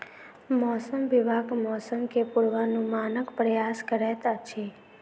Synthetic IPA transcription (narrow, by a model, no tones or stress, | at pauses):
mɔsəmʋibʱaɡmɔsəmkepuɾʋanũmanəkpɾəjaskəɾɛt̪at͡ʃʰe